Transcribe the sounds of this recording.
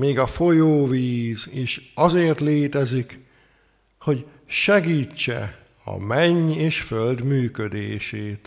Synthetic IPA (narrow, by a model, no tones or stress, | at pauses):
meːɡɒfo̞joːviːziʃɒzeːrt̪leːt̪ɛzik | ho̞ɟ | ʃɛɡiːt͡ʃːɛ̰ | ɒ̰mɛɲeːʃføld̪myːkød̪eːʃeːt̪